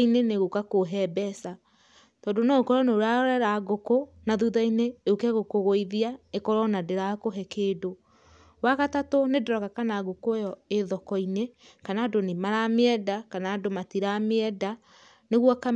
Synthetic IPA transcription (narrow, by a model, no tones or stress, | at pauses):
ineneɣokakoɦɛbɛsa | tɔːndonookɔɾɔneoɾaɔɾɛɾaɡoko | naðuðaineokɛɣokoɣoiðiaekɔɾɔnadeɾakoɦɛkedo | waɣatatonedɾɔɣakanaɣokojɔeðɔkɔinekanaːdonimaɾameɛdakanaːdomatiɾameɛda | neɣwɔka